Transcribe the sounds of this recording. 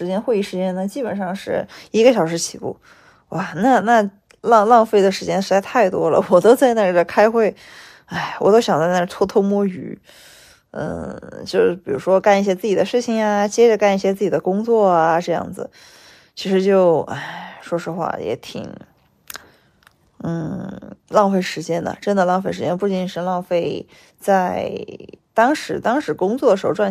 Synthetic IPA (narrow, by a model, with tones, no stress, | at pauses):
ʂɻ̩˧˥t͡ɕjɛ˥nxwe˥˧ɪi˥˩ʂɻ̩˧˥t͡ɕjɛ˥nna˥˩t͡ɕi˥pə˨˩nʂɑ˥˧ŋʂɻ̩˥˩i˧˥ɡə˧ɕjɑ˨˩ʊʂ̬ɻ̩˧˥t͡ɕʰi˨˧˩kṵ˥˩ | wa˥˩na˥˩na˥˩ | lɑ˥˧ŋlɑ˥˧ŋfe˥˩ɪd̪ə˩ʂɻ̩˧˥t͡ɕjɛ˥nʂɻ̩˧˥t͡sa˧ɪt̪ʰa˥˩ɪt̪wɔ˥lə̰˨wɔ˨˩t̪o˥ʊt͡sa˥˧ɪna˥˩ə˧˩kʰa˥ɪxwe˥˩ɪ | a˥˩ɪwɔ˨˩t̪o˥ʊɕjɑ˨˩ŋt͡sa˥˧ɪna˥˩t̪ʰwɔ˥t̪ʰo˥mwɔ˥y̰˧˥ | n̩̰˧t͡ɕjo˥˧ʊ˥˩pi˨˩ɻu˧˥ʂwɔ˥ka˥˧ni˥˩ɕjɛ˥t͡sɹ̩˥˩i˨˩d̪ə˦ʂɻ̩˥˩t͡ɕʰi˨˩ŋa˧t͡ɕjɛ˥ʈ͡ʂə˨ka˥˧ni˥˩ɕjɛ˥t͡sɹ̩˥˩t͡ɕi˨˩d̪ə˦kʊ˥ŋt͡swɔ˥˩a˩ʈ͡ʂɤ˥˧jɑ̰˥˩ŋd͡zɹ̩̰˩ | t͡ɕʰi˧˥ʂɻ̩˧˥t͡ɕjo˥˧ʊa̰˥˩ɪʂwɔ˥ʂɔ˥xwa̰˥˩jɛ̰˧˥t̪ʰḭ˨˩˦ŋ | n̩˥˩lɑ˥˧ʊfe˥˩ɪʂɻ̩˧˥t͡ɕjɛ˥nd̪ə̰˨ʈ͡ʂə˥nd̪ə˨˧lɑ˥˩˧fe˥˩ɪʂɻ̩˧˥t͡ɕjɛ˥np̬u˥˩t͡ɕi˨˩nʂɻ̩˥˧lɑ˥˧ʊfe˥˩ɪ | t͡sa˥˧˩ɪɪt̪ɑ˥ŋʂɻ̩˧˥t̪ɑ˥ŋʂɻ̩˧˥kʊ˥ŋt͡swɔ˥˩d̪ə˩ʂɻ̩˧˥˧ʈ͡ʂwa˥˩